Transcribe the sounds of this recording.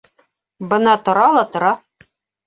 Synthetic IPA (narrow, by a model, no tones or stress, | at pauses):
bɤ̆nɑt̪ŏɾɑlˠɑt̪ŏɾɑ